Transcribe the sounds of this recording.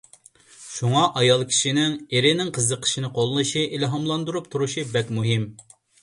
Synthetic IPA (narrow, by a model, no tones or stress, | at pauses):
ʃuŋɑʔɑjɑlˠkʲʰi̥ʃinɪŋeɾɪnɪŋqʰəzːəqʰə̥ʃinɨqʰolˠnɨʃiʔilɦɑmlˠɑnd̪uɾup̚t̪ʰuɾuʃibɛkʲmuɦim